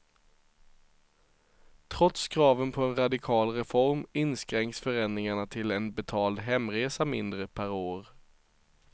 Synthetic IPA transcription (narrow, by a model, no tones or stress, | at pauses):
t̪ʰɾɔt̪skʰɾɑːvənpʰɔɛnɾad̪ɪkʰɑːlɾɛfɔɾmɪnskɾɛŋksfœɾɛnd̪ɾɪŋaɳat̪ʰɪlɛnbɛt̪ʰɑːld̪ɦɛmːɾeːsamɪnd̪ɾəpʰæɾoːɾ